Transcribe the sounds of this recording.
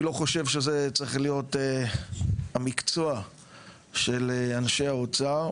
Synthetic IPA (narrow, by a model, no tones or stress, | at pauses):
lo̞χo̞ʃe̞vʃezet͡sʁiχlijo̞te | amikt͡soa | ʃeleanʃejaot͡sa